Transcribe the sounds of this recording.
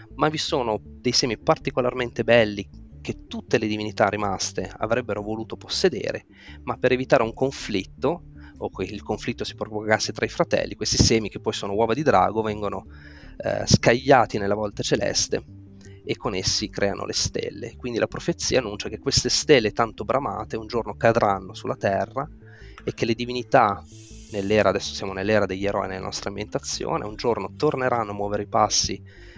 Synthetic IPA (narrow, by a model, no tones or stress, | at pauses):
mavisoːnod̪ejsɛːmipart̪ikolarment̪ebɛlːik̟et̪ːut̪ːeled̪ivinit̪arːimast̪ea̰vɾɛbːeɾovoluːt̪oposːed̪ḛːɾḛ | mapːeɾevit̪aːɾeuŋkoɱflit̪ːo | okːeilkoɱflit̪ːosi̥pɾovokasːet̪ɾaifɾat̪ɛ̰lːikwest̪isɛːmik̟epːɔjsoːnowɔːvad̪id̪ɾa̰ːɡovɛŋɡono̰ | skaʎːaːt̪inelːavɔlt̪at͡ʃelɛ̰st̪ḛ | ekːonesːikɾʔɛːano̰lʔest̪ḛlːḛkwind̪ilapɾofet̪sːiːaːnːunt͡ʃak̟ekːwest̪est̪elːet̪ant̪obɾʔama̰ːt̪eund͡ʒornokad̪ɾʔanːosulːat̪ɛrːa | ek̟ːelːed̪ivinit̪a | nelːɛːɾaːd̪ɛsːo̥sjaːmonelːɛːɾad̪eʎːeɾɔ̰ːinelːa̰nʔɔ̰st̪ɾeambjent̪at̪sːjo̰ːnḛund͡ʒornot̪orneɾʔanːoamːwɔːveɾipasːi